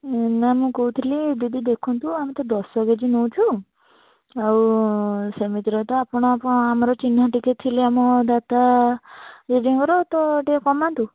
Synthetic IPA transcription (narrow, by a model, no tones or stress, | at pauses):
enamũkoɦut̪ʰilid̪id̪id̪ekʰunt̪ũamit̪ɔd̪ɔsbaɡed͡ʒinow̃t͡ʃʰu | aw | semit̪iɾɔt̪ɔapɔɽ̃ɔapɔamɔɾɔt͡ʃin̤aʈikit̪̚t̪ʰileamɔd̪at̪a | ɾeɖiŋkɔɾot̪ɔʈiakɔmant̪u